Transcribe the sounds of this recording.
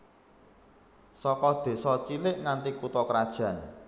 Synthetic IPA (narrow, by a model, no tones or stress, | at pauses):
sɔkɔd̪̥e̤sɔt͡ʃilɪʔŋant̪ikut̪ɔkɾad̥ʒ̥ä̤n